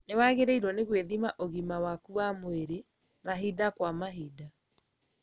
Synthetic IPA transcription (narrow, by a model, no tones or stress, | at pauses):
newaɣeɾeiɾɔneɣweðimaʔoɣimawakuwamweɾe | maɦidakwamaɦida